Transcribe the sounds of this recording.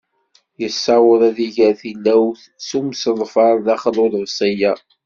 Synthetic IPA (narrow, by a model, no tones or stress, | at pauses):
jəsːɑwəðˤæðiʝæɾθilːæwθ | sumsəðˤfɑɾˤðæχəlʊðvsæjæ